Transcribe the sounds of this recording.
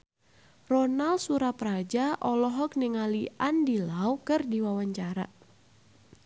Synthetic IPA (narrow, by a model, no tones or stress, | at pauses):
rɔnalsuɾapɾad͡ʒaʔɔlɔɦɔk̚niŋaliʔandilaukɨrdiwawaɲt͡ʃaɾa̰